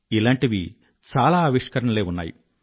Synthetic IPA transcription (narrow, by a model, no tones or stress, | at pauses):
ilaːɳʈiʋi | t͡ʃaːlaːɐʋiʂkɐɾɐɳɐleːunːa̰ːjṵ